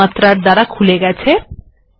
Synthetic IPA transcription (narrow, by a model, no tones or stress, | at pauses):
at̪ɾaɾd̪aɾakʰuleɡɛt͡ɕʰe